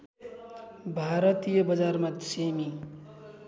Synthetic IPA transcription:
bʱaːɾət̪ijəbəd͡ʒaːɾmad̪semi

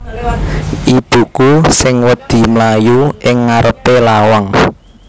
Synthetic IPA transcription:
ʔib̥ṳkusɪŋwəd̪̥i̤mlajuʔɪŋːaɾəpelawaŋ

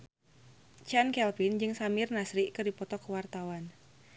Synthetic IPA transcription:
t͡ʃankɛlpind͡ʒɨŋsamɪrnasɾiʔkɨrdipɔt̪ɔkəwart̪awan

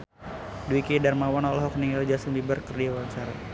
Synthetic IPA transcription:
duikidarmawanɔlɔɦɔkniŋald͡ʒasəŋbibərkərdiawansaɾa

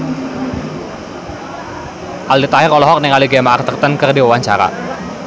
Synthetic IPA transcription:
ʔaldit̪aɦɪkɔlɔɦɔk̚nɛŋaliɡamaʔart̪ərt̪ənkərdiwawaɲt͡ʃaɾa̰

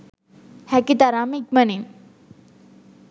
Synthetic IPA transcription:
hɛkit̪aɾamik̚mənin

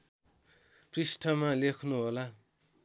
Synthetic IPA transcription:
prisʈʰʌmalekʰnuɦola

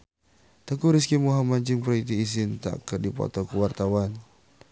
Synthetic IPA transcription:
t̪əkuɾiskimuɦamaɲt͡ʃɪŋpɾait̪iːs̬ɪnt̪a̰kədipɔ̰t̪ɔkuwart̪awan

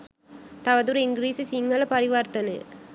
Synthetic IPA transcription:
t̪ɐʋɐðuɾɪŋɡɾiːsisiŋɡɐlɐpɐɾɪʋaːɾt̪ɐnɯ̰

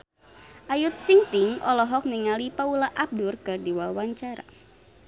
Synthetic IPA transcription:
ʔajut̪ːiŋt̪iŋʔɔlɔɦɔk̚niŋalipaulaʔap̚durkɨrdiwawaɲt͡ʃaɾa̰

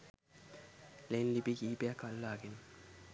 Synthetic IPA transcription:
lenliɓik̬iɓɛakʰallaːk̬ʼɛn

